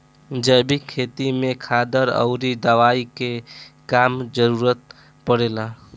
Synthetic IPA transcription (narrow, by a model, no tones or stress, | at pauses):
d͡ʒəjbikʰːet̪imekʰad̪əɾə̰ʊɾid̪əʋaikekamd͡ʒəɾuɾət̪̚ | pəɽela